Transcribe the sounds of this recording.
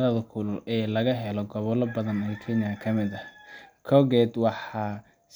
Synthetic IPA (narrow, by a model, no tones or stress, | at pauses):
lɐðɐkʰʊlʊɛːlɐɣɐɦɛlɔɡɔβɔlɐbɐðɐnɛːkʰɛnɪɐkʰɐmɪðɐkʰɔɣɛd̪wɑħɑ | s